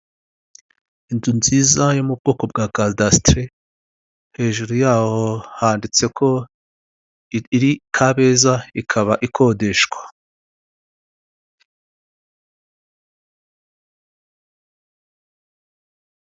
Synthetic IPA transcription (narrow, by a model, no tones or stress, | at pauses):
indunziːzajomub̚ɡo̞ːko̞bɡaːɡadastɾe | he̞ːʒuɾujaːho̞haːndit͡se̞kʰo̞ | iɾikʰaβe̞ːzaikʰaβaʔikʰo̞ːde̞ʃɡ̥wḁ